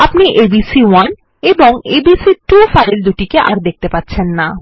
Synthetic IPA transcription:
apniʔebisiwan | eboŋebisiʈufajld̪uʈikeʔaɾd̪ek̚t̪epatːɕʰenːa

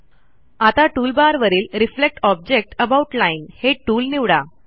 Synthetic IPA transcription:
at̪aʈuːlbaɾʋəɾiːlɾiflek̚ʈɔb̚d͡ʑek̚ʈəbauʈlainheʈuːlniʋɽa

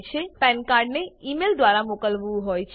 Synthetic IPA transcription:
t͡ɕʰepɛnkaɾɖneimeld̪waɾamokəlbuɦojt͡ɕʰ

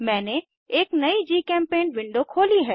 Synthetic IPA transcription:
mɛ̃ːne | eːknɐid͡ʒiːkɛ̃ːmpeːnʋɪ̃ɳɖokʰoːliɦɛː

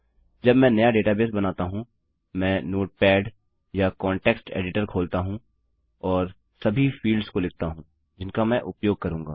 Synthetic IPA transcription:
d͡ʒɐbmɛ̃nɐjaɖeːʈabeːsbɐnaːt̪aɦũ | mɛ̃ːnoːʈ̚pɛːɖ | jakɔ̃ːɳʈeːksʈḛːɖɪʈəɾkʰoːlt̪aɦũ | ɔːɾ | sɐbʱifiːlɖskolɪk̚ʰt̪aɦũː | d͡ʒɪnkamɛ̃ʔʊpjoːɡ̚kɐɾũːŋɡa̰ː

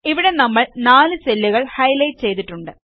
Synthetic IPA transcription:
iʋiɽe̞nɐmːɐɭnaːlɨt͡ɕelːiɣɐɭhɐjlɐjt͡ɕe̞jt̪iʈːuɳɖɨ

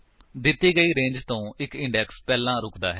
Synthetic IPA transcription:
d̪ɪt̪ːiːɡəiːɾẽːɲd͡ʒt̪õːɪkɪ̃ɳɖɛːkspɛːlãːɾʊkʰd̪a̰ːɦɛː

